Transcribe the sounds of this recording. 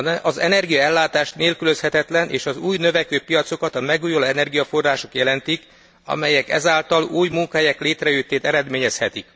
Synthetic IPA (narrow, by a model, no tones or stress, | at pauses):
ɒzɛ̰nɛrɡijɒɛlːaːt̪aːʃt̪neːlkylø̞shɛt̪ɛt̪lɛnʔḛːʃɒzuːjnø̞vɛkøːpijɒt̪so̞kɒt̪ɒmɛɡuːjoloɛnɛrɡijɒfo̞rːaːʃo̞kjɛlɛnt̪ik | ɒ̰mɛjɛkɛ̰zaːlt̪ɒluːjmuŋkɔɦɛjɛkleːt̪rɛjyt̪ːeːt̪ɛɾɛd̪meːɲɛshɛt̪ik